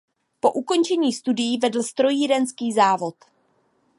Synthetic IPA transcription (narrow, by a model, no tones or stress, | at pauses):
po̞ʔuko̞nt͡ʃɛɲiːst̪udɪjivɛdl̩st̪ɾo̞jiːɾɛnskiːzaːvo̞t̪